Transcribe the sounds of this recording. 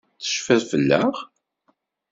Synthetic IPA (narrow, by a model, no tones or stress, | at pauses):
θə̥ʃfæɾfəlːæʁ